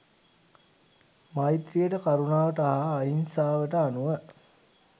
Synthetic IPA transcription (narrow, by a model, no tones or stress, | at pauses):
majt̪rijəʈəkaɾunaːʋəʈəaɦaːinsaːʋəʈəanuʋə